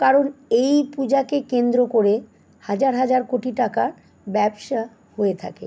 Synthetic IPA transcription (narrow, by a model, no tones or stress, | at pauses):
kaɾonejpud͡ʑakekend̪ɾokoɾe | had͡ʑaɾɦad͡ʑaɾkoʈiʈakaɾ | bɛbʃa | hoet̪ʰa̰kḛ